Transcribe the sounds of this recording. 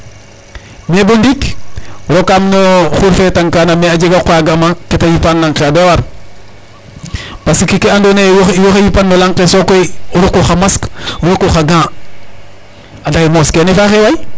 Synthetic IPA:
mebundikɾokːamnoxuɾfetaŋkaːnamead͡ʒeɡakoaɡamaketajipanlaŋkeadewaɾ | pasikikeandonejoxejipanːolaŋqesokojuɾokːoxamaskuɾokːoxaɡãː | adakimoskenefaxewaj

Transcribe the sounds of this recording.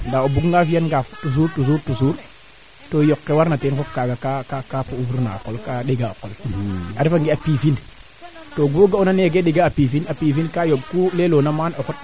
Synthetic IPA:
ndaobuɡŋɡafianɡaftus̬uːɾtus̬uɾtusuɾ | tojokːewaɾnatenfop̚kaɡakakakapoufuɾna̰kolkaɗeɡaa̰kola̰ɾifaŋɡiapifin | toɡuɡaunaneɡeɗeɡaapifinapifinkajob̚kulelonamanokut̚

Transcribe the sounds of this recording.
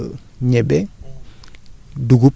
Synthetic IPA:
ɲɛbe | duɡup

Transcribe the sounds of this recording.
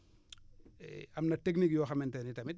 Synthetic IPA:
ɐmnɐteknikjoːxɐmentenitɐmit

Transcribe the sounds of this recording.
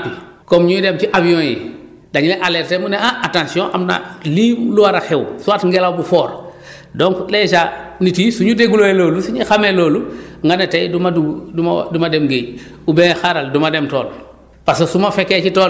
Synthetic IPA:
pi | komɲuidemtiʔavijɔ̃ːjḭ | daɲileʔaleɾtemuneãʔatãnsiõʔamna̰liːmluwaɾaxewsuatŋɡelawbufoːɾ | dõŋkleʃanitisuɲudeɡuloeloːlusuɲixameloːluŋɡanetajdumauduma̰dumademɡej | ubẽxaɾaldumademtoːl | pasosumafeket͡ʃitoːl

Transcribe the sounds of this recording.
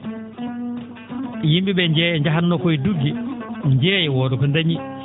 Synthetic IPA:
jimbiɓɛɲd͡ʒɛjɛɲd͡ʒaɦanːɔkɔjduɡːiɲd͡ʒɛːjɛwɔɗɔkɔndaɲi

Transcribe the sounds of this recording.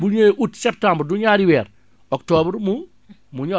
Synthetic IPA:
buɲeʔutsɛp̚tãmbɾduɲaɾiwɛːɾ | ɔktɔbɾmu | muɲɔ

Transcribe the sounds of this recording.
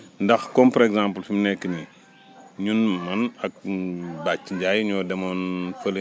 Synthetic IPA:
ndɐxkɔmpɔɾɛɡzãmpəlfimnɛkːəni | ɲunmɐnɐk̚bat͡ʃːɲɟajɲɔːdɐmɐnfɐl

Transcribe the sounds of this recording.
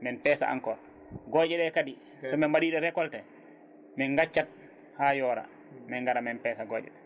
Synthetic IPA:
mɛnpɛːsa̰ʔa̰ŋkɔɾ | ɡɔd͡ʒɛɗɛkadi | sɔmɛmbaɗiːɗɛɾɛkɔltɛ | mɛnɡat͡ʃːat̚ | hajɔːɾa̰ | mɛŋɡaɾamɛnpɛːsaɡɔːd͡ʒɛ̰ɗɛ

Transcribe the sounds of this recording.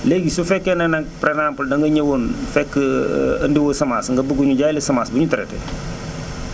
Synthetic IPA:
leɡisufɛkːɛnɛnaŋpɾenampuldɐŋɡɐɲewonfɛkː | ɐndiwosɐmaːsŋɡɐbuɡuɲuɟalisɐmaːsbuɲutɐɾɛ̰tɛ̰

